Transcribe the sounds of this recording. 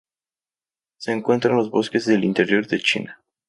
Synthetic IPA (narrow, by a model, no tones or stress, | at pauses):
seɨŋkɨnt̪ɾənlozboskʲesd̪elint̪e̞ɾiord̪et͡ʃḭne